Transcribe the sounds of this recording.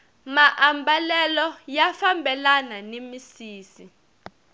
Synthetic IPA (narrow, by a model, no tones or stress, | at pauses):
maʔambalɛlɔjafambʱɛlananemisiːsi